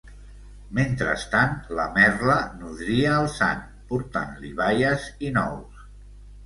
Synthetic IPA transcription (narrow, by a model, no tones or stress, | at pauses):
ment̪ɾə̰st̪anləmɛrlənuðɾiəːlˠsa̰n | puɾt̪a̰nliβajəzinɔ̰w